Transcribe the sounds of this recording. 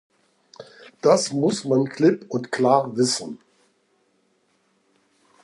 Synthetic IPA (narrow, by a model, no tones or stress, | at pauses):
d̥asmʊsmankʰlɪpʊntkl̥aːʁvɪsn̩